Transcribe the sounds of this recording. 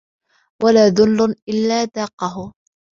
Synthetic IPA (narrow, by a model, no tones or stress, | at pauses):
wʔalaːðʊlːʊʔɪlːaːd̪ɑːqɑɦʊ